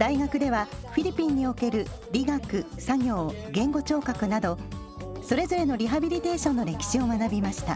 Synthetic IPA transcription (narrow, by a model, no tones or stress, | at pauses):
d̪̥aiɡakɯ̟d̪e̞βaɸiɾʲipʲĩɲ̟ːio̞ke̞ɾɯ̟ | ɾʲiɡakɯ̟ | saɡʲo̞ːɡẽ̞ŋɡo̞t͡ɕo̞ːkakɯ̟nad̪o̞ | so̞ɾe̞zo̞ɾe̞no̞ɾʲiɦabʲiɾʲit̪e̞ːɕõ̞nːo̞ɾe̞kʲi̥ɕio̞manabʲimaɕi̥t̪a̰